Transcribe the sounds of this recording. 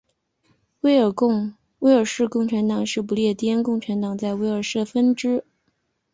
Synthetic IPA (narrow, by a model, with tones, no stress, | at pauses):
we˥ɪ˞˨˩˥ | we˥ɪə˞˨˩ʂɻ̩˥˧kʊ˥˩ŋʈ͡ʂʰa˧˥nt̪ɑ˨˩ŋʂɻ̩˥˩p̬u˧˥ljɛ˥˩t̪jɛ˥nkʊ˥˩ŋʈ͡ʂʰa˧˥nt̪ɑ˨˩˦ŋt͡sa˥˩ɪwe˥ɪə˞˨˩ʂɻ̩˥˩d̪ə˩fə˥nʈ͡ʂɻ̩˥